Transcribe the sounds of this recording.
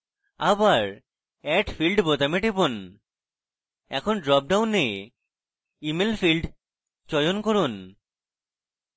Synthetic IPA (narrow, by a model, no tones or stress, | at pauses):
abaɾ | ɛʈfʰilɖbot̪ameʈipon | ɛ̰kʰonɖɾɔp̚ɖawnːe | imelfʰilɖ | t͡ɕɔjonkoɾun